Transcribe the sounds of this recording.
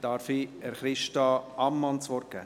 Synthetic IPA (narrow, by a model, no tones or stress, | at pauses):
d̥ɑɾfiɛɾχɾɪʃtɑʔɑmːɑnt͡sʋɔɾkæ̰